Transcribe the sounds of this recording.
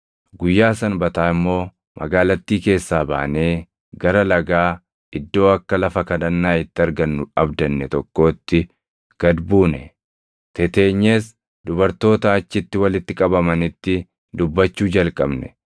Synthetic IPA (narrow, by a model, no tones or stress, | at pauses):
ɡʊjːaːsɐnbɐt̪aːɪmːo̞ː | mʔɐ̰ɡaːlɐt̪ːiːke̞ːsːaːba̰ːʔne̞ː | ɡɐɾɐlɐɡaː | ɪd̪ːo̞ːɐkːɐlɐfɐkɐᶑɐnːaːɪt̪ːɪɐɾɡɐnːʊɐbd̪ɐnːɛt̪ɔkːo̞ːt̪ːɪ | ɡ̥ɐd̪buːnɛ | t̪ɛt̪e̞ːɲːeːs | d̪ʊbɐɾt̪o̞ːt̪ɐɐt͡ʃːɪt̪ːɪwɐlɪt̪ːɪkʼɐbɐmɐnɪt̪ːɪ | d̪ʊbːɐt͡ʃːuːd͡ʒɐlkʼɐbnɛ̰